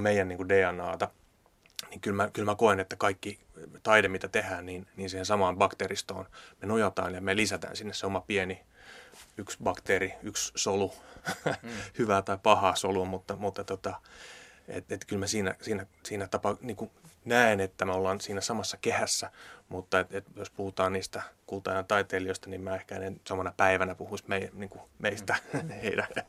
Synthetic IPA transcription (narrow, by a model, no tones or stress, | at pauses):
meijænniːŋkudeːɑnːɑːt̪ɑ | niŋkylmækylmækoenet̪ːækɑikːi | t̪ɑidemit̪æt̪ehæːnniːnniːnsiːhensɑmɑːmbɑkt̪eːrist̪o̰ːnmenojɑt̪ɑ̰ːnjɑmelisæt̪æ̰ːnsinːesseomɑpiɛni | yksbɑkt̪eːriykssolu | hyʋæt̪ɑipɑhɑːsoluɑmut̪ːɑmut̪ːɑt̪ot̪ɑ | ḛt̪et̪kylmæsiːnæ̰siːnæsiːnæt̪ɑpɑniːŋkunæenet̪ːæmæolːɑnsiːnæsɑmɑsːɑkehæsːæmut̪ːɑet̪et̪jospuhut̪ɑːnniːst̪ækuːut̪ɑːijɑnt̪ɑit̪eːlioist̪ɑnimmæːehkæenensɑmɑnɑpæiʋænæpuhuismeiniːŋkumeist̪æheidæ